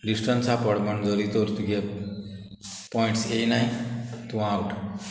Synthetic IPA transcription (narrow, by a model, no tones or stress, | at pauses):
lisʈənsapəɽməɳd͡zəɾit̪oɾt̪uɡe | pɔĩɳʈseinait̪ũãawʈ